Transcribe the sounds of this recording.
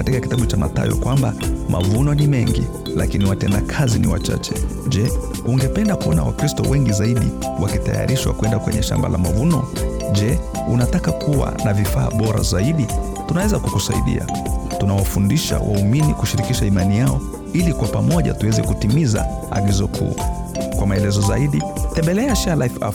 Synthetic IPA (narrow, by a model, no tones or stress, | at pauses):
katikaki̥taɓut͡ʃama̰ta̰jɔ̰kwambamʔavunɔnimɛŋɡi | lakiniwatɛndakʰazinḭwa̰t͡ʃa̰t͡ʃɛʄɛ | uŋɡɛpɛndakuɔna̰wakɾistɔwʔɛŋɡizaiɗi | wakitaja̰ɾʔiʃwa̰kwɛndakwɛ̰ɲɛʃa̰mba̰lamavunɔ | ʄɛ | unatakakuwa̰navifaːɓɔɾa̰zaiɗi | tunawɛzakukusaḭɗḭa̰tunawafundiʃa̰wʔa̰uminikuʃiɾikiʃaimanijaɔ | ilikwapamɔʄa̰tuwɛzɛkutimiza̰ | aɡizɔkʰṵkwamaɛlɛzɔzaiɗitɛmbɛlɛaʃalafaf